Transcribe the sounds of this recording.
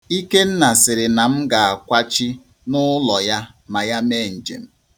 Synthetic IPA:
i˦ke˦n̩˦na˨sɪ˨ɾɪ˨na˨m̩˦ɡa˨a˨kʷa˦t͡ʃi˦ | nʊ˦lɔ˨ja˦ | ma˨ja˦me˦˨n̩˨d͡ʒḛ˨m̩˦

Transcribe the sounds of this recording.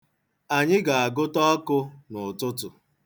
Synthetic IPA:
a˨ɲɪ˦ɡa˨a˨ɡʊ˦tɔ˦kʊ˦nʊ˨tʊ˦tʊ˨

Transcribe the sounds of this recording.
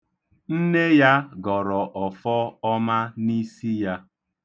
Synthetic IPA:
n̩˦ne˦ja˦ɡɔ˨ɾɔ˨ʔɔ˨fɔ˦ɔ˦ma˦ni˦si˦ja˦

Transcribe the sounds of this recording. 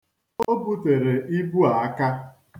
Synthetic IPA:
o˦bu˦te˨ɾe˨ʔi˦bu˦a˨a˦ka˦

